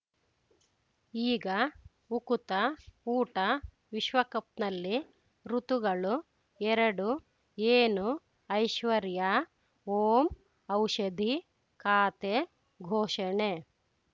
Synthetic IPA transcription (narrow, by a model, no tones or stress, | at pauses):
iːɡɐ | ukut̪ɐuːʈɐ | ʋiʃʋɐkɐp̚nɐlːi | ɾut̪uɡɐɭu | ɛɾɐɽu | eːnu | ɐjʃʋɐɾjɐ | oːm | ɐwʃɐd̪ʱi | kaːt̪e | ɡʱoːʃɐɳe